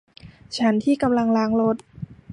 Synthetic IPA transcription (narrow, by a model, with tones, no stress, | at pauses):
t͡ɕʰa˦˥nt̪ʰiː˥˩ka˧mla˧ŋlaː˦˥ŋlo˦˥t̪̚